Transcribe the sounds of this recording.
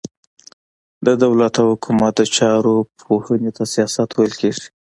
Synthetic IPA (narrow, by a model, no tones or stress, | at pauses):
d̪əd̪awlat̪ahʊkʰumat̪̚d̪ət͡ʃɑɾopʰohənet̪asijɑsat̪wajəlkeʐi̥